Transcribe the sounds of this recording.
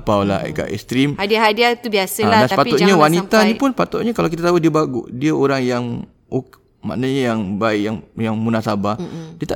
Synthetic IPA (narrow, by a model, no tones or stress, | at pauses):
pawlaa̰ka̰ʔɛ̰st̪ɾimhadiaɦadiat̪ubiasədanspaʊt̪ɲawanit̪aipʊnspat̪ʊt̪̚ɲəkalakit̪at̪aɦudiəbaɡʊ̰ʔdiəoɾaŋjaŋ | ok | ma̰ʔnaɲəjaŋbaɪʔjaŋjaŋmunasabadiət̪a